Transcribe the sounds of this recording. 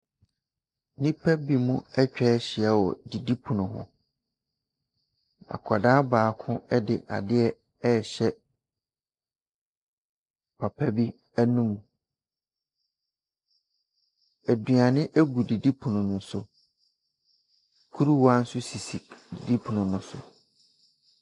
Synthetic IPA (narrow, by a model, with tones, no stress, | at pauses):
nĩ˦pʰɛ˦bi˨mũ˦ɛ˦t͡ɕᶣɛ˦ɕɪ˨ɛ˦wɔ̰˨di˨di˦pʰu˨nʊ̃˨ɦʊ̰̃˨ | a̰˨kʰɔ˨daː˦baː˨kʰʊ̃˦ɛ˦dɪ˨ʔa̰˨dɪ˦ɛ˦ | ɛ˦˨ɕɛ˦ | pʰa˨pʰæ˦bi˦ | æ˦nũ˦m̃˨ | æ˨dɥa˨nɪ̃˦ʔæ˦ɡu˨di˨di˦pʰu˨nʊ̃˨nʊ̃˦sʊ˨ | kʰu˦ɾu˦wa˦n̩˦sʊ˦si˨si˨di˨di˦pʰu˨nʊ̃˨nʊ̃˦sʊ̰˨